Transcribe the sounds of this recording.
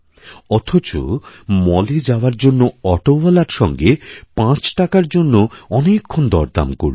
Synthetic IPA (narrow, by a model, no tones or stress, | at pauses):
ɔt̪ʰot͡ɕo̰mɔled͡ʑaoaɾd͡ʑonːoɔʈobalaɾʃɔŋɡepãt͡ɕʈakaɾd͡ʑonːoɔnekʰːond̪ɔ̰ɾd̪a̰mkoɾ